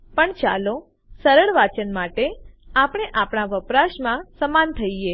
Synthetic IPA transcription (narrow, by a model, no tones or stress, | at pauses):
pəɳt͡ʃa̰lo | səɾəɭʋat͡ʃənmaʈeapɳ̃eʔapɳaʋəpɾaʃmãsəmant̪ʰəie